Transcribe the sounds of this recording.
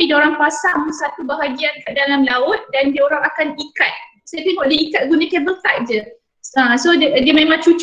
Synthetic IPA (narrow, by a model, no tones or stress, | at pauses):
idoɾaŋpasamusat̪ubaɦaɡiankaʔdalamlaʊt̪̚dandioɾaŋakanikat̪̚ | sajət̪eŋɡɔʔdiikat̪̚ɡunãkɛbəlt̪at̪̚d͡ʒə | ãsoddəmẽmãŋt͡ʃut͡ʃ